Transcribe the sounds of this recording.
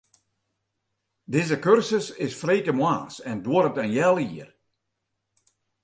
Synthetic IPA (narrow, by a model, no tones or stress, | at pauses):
dɪzəkørsəsɪsfreːkəmwaːsɛnduəɾətənjɛlˠiər